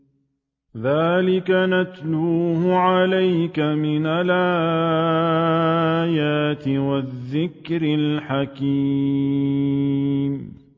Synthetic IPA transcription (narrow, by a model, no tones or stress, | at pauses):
ðaːlɪkanat̪luːhʊʕalajkamɪnalʔaː | jaːt̪ɪwaðːɪkɾɪlħaki | m